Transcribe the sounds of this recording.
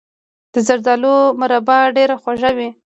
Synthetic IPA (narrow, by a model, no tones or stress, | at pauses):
d̪̥əzaɾd̪ɑlomʊɾabaɖeɾaxwaʒawi